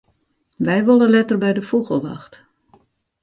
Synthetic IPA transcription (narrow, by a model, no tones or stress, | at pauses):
ʋɛjʋolˠəlɛtərbɛjdəfuɣəlˠʋa̰xt